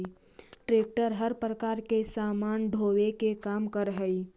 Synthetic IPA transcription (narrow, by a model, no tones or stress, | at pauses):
ʈɾeːk̚ʈəɾɦəɾpɾəkaːɾkesaːmaːnɖʱoːwekekaːmkəɾɦəi